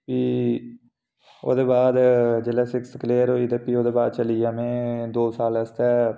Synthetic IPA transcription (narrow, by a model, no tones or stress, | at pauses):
piː | o̰ːd̪eːbaːd̪d͡ʒeːlɛːsɪkskleːəɾoːid̪eːpioːd̪eːbaːd̪t͡ʃəlijaːmẽːd̪oːsaːləst̪ɛː